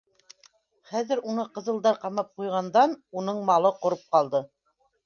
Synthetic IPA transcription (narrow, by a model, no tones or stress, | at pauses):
χæðɘ̆ɾunɤqɤ̆zɤ̆lˠd̪ɑɾqɑmɑp̚qujʁɑnd̪ɑnunɤɴmɑlˠɤqŏɾɤp̚qɑlˠd̪ɤ